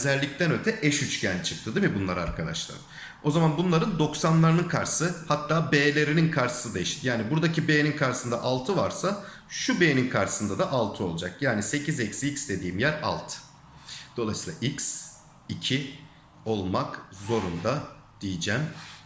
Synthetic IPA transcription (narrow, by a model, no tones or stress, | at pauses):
zælʲːic̚t̪ʰænø̞t̪ʰɛʔɛʃyt͡ʃcʰænt͡ʃʰɯk̚t̪ʰɯd̪imibunlˠaɾa̰ɾkʰad̪a̰ʃlˠa̰ɾɯ̰m | o̞zamanbunlˠaɾɯnd̪o̞ksanlˠaɾɯnɯnkʰaɾsɯhat̪ʰːaːbeːlʲe̞ɾininkʰaɾʃɯ̥sɯd̪ajiʃi̥t̪jaːnibuɾd̪acibejeninkʰaɾʃsɯnd̪aʔalˠt̪ʰɯvaɾsa | ʃubejːninkʰaɾʃɯ̥sɯnd̪ad̪aʔalˠt̪ʰɯo̞lˠud͡ʒakjaːnise̞cizecsiicsd̪e̞d̪iːimjæɾa̰lˠt̪ʰ | d̪̥o̞lˠajsiːlˠaʔics | icʰi | o̞lˠmakzo̞ɾund̪a | d̪̥ijid͡ʒæm